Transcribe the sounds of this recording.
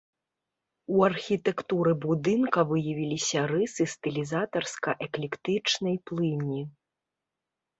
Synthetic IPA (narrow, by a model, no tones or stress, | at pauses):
uɐrxʲit̪ɛkt̪uɾɨbud̪ɨnkɐvɨjɐvʲilʲisʲɐrɨsɨst̪ɛlʲizat̪ɐrskɐʔɛklʲɛkt̪ɨt͡ʂnɐjplˠɨnʲːi